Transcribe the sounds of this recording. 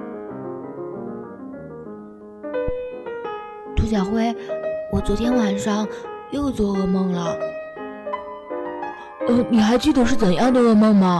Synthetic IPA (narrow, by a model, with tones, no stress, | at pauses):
t̪ʰu˧˥ɕ̬jɑ˨˩ʊxwe˥˩ɪwɔ˨˩t͡swɔ˧˥t̪ʰjɛ˥nwa˨˩nʂɑ˥˩ŋjo˥˧ʊt͡swɔ˥˩ɤ˥˧mɤ˥˩ŋlə˩ | ə˧˩ni˨˩xa˧˥ɪt͡ɕi˥˩d̪ə˨ʂɻ̩˥˩t͡sə˨˩njɑ˥˩ŋd̪ə˩˧ɤ˥˧mɤ˥˩ŋmɐ˩